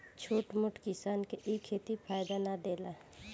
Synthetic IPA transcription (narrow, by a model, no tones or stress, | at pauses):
t͡ʃʰoːʈmʊʈʰkɪsaːnkeʔikʰːeːt̪ipʰaːjd̪anaɖeːla